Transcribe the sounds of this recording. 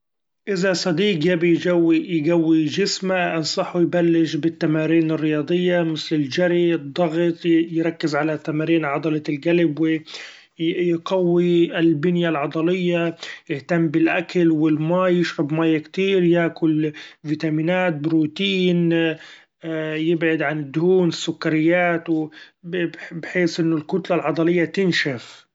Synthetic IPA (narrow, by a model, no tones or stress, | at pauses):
ʔɪzasˤɑd̪iːqjabijɡawːijɡawːid͡ʒɪsmaʔɪnsˤɑħwjbalːɪʃbɪt̪ːamaːɾiːnɪrːɪjɑːd̪ˤɨjːamɪθlɪld͡ʒaɾid̪ˤːɑɣt̪ˤjɾˤɑkːɪzʕalat̪ːamaːɾiːnʕɑd̪ˤɑlɑlɡalɪbwɪ | jɡawːiɪlbɪnjalʕɑd̪ˤɑlɪjːajɪht̪amːbɪlʔakalwɪlmaːjjɪʃɾabmaːjakt̪iːɾjaʔkʊlviːt̪amiːnaːt̪̚bɾuːt̪iːn | jɪbʕad̪ʕanɪd̪ːʊhuːnɪsːʊkːaɾɪjːaːt̪w | bbħeːsʔɪnːʊlkʊt̪lalʕɑd̪ˤɑlɪjːat̪ɪnʃaf